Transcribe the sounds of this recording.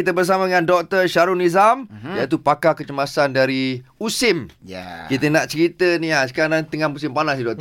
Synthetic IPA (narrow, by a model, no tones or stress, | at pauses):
it̪əbərs̬amaŋãndɔk̚t̪ərʃaɾunizamjait̪upakakət͡ʃəmasandaɾiusɪm̰kit̪ənaʔt͡ʃəɾit̪əniasə̥kanant̪əŋamusɪmpanasidɔk̚t̪